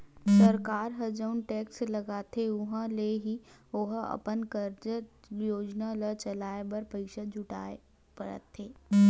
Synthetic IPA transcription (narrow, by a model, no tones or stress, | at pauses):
sɐɾkaːɾɦɐd͡ʒəʊnʈeːkslɐɡaːt̪ʰeʊɦãleɦioɦɐ̰pənkəɾd͡ʒ | joːd͡ʒnalət͡ʃɐlaːebɐɾpɐɪkʃəd͡ʒʱʊʈa̰ːe | pɐɾə̰t̪ʰːeː